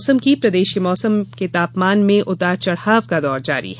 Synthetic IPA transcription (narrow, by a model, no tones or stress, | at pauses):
səmkipɾɐd̪eːʃkemɔːsəmket̪aːpmaːnmẽʔʊt̪at͡ʃɐɽhaːʋkad̪ɔːɾd͡ʒa̰ːɾḭɦɛ